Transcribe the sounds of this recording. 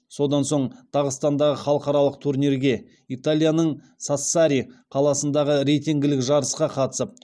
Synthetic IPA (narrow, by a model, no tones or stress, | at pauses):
so̞d̪ɑnso̞ɴt̪ʰɑʁəst̪ɑnd̪ɑʁəχɑlˠəqɑɾɑlˠəqt̪ʰuɾniɾɡʲe̞ | it̪alʲˠijanəɴ | sasːaɾijqʰɑlˠɑsənd̪ɑʁəɾejt̪iŋɡʲɪlɪkʒɑɾəsqɑqʰɑt̪ə̥səp̚